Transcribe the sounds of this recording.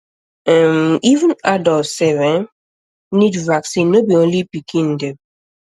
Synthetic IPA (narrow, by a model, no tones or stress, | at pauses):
ɛ̃mivə̃nadɔsɛvɛ̃n | nidvaksĩnːobiõnlipikĩn̩deb̚